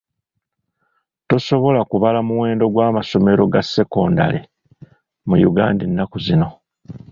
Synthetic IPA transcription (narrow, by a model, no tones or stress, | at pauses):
to̞so̞βo̞lakuβalamuwe̞ːndo̞ɡwaːmaso̞me̞ɾo̞ɡasːe̞ko̞ːnda̰le̞̰ | mujuɡa̰ːndinːakuzino̞